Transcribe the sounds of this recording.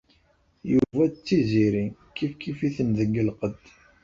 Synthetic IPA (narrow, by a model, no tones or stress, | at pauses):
juvæt͡sːiziɾikifkifiθənðəɡːəlqəd̪